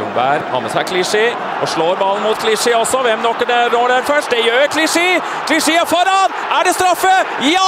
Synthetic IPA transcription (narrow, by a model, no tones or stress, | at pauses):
ʊ̰ŋbæːɾhɑ̰nːəsækʰlɪʂɪː | ɔʂɭoːɾbɑlnmuːt̪kʰlɪʂɪɔsɔʋɛmnɔkːəd̪ɛɾoːɖæɾfœʂʈ̚d̪ɛjøːkʰlɪʂeː | kʰlɪʂeːəfɔɾɑːd̪ | æɖɛst̪ɾɑfːəji